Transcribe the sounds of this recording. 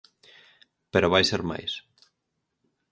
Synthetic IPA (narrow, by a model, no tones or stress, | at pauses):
peɾoβajseɾma̰js